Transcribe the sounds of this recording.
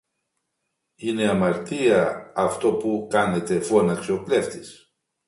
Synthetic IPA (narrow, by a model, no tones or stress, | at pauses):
ine̞ɐmɐɾt̪iɐɐft̪o̞pukɐne̞t̪e̞fonɐksio̞ple̞ft̪is